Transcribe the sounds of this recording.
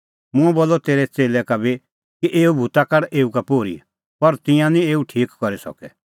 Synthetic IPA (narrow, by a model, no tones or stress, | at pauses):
mʊ̃ɛbɔlːɔt̪eːɾɛt͡seːlɛkabi | kiʔeːubʱut̪akaɽʔeːukapoːɾḭ | pɐɾt̪ɪ̃jãnĩeːuʈʰiːkkɔɾisɔ̰kɛ̰